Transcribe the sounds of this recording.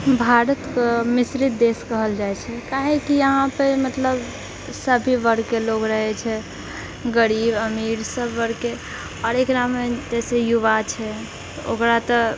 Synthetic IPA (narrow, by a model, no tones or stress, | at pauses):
bʱaɾət̪kəmisɾit̪̚d̪eskəɦəld͡ʒaɛt͡ʃʰɛkaɦekijəɦãpemət̪ləb | səbʱiʋəɾkeloɡɾəɦɛt͡ʃʰɛ | ɡəɾibəmiɾsəbʱʋəɾke | ɔɾekɾamed͡ʒɛsejuβat͡ʃʰɛ | t̪ɔokɾat̪ɔ